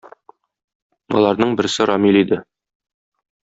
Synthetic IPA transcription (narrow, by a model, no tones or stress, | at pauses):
ɒ̰lˠɑɾnɤɴbɘ̆ɾsɘɾɒmʲilid̪ɘ